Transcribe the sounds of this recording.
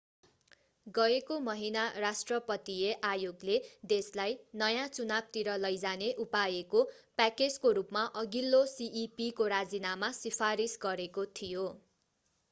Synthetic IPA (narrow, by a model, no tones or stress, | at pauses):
ɡʌekomʌɦinarasʈrʌpʌt̪ieʔajoɡled̪eslajnʌjãt͡sunab̚t̪iɾʌlʌjd͡zaneʔupajeko | paked͡zkoɾupmaʔʌɡilːosiʔipikoɾad͡zinamasipʰaɾisɡʌɾekot̪ʰijo